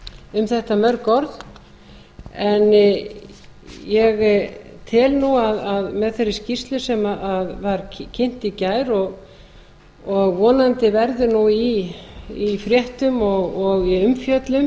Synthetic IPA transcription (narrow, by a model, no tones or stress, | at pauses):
ʏmθɛht̪amœɾkɔɾð | ɛn | jɛɣt̪ʰɪlnuaðaðmɛðθeɾːɪ̥scirst̪lʏsɛmaʔaðvaɾ̥cʰɪn̥t̪icaːjɾɔɣ | ɔɣvɔːnant̪ɪvɛɾðʏnui | ifɾjɛht̪ʏmɔɣɔɣiʏmfjœt̪lʏm